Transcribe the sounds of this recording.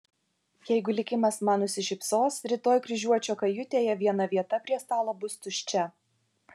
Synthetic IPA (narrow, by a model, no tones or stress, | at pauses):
jɛɪɡʊlʲɪkʲɪmɐsmɑːnʊsʲɪʃʲɪpsoːsɾʲɪt̪oːjkɾʲɪʒʲuɔt͡ʃʲoːkɐjʊt̪ʲeːjɛʋʲiɛnɐʋʲiɛt̪ɐpʲɾʲiɛst̪ɑːlˠoːbʊst̪ʊʃʲt͡ʃʲɛ